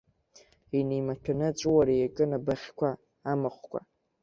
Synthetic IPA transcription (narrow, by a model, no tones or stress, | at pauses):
inejmatʰᶣanɨt͡ʃʷʼwaɾajakʼɨnabaχʲkʷʰaː | mɨχʷkʷʰa̰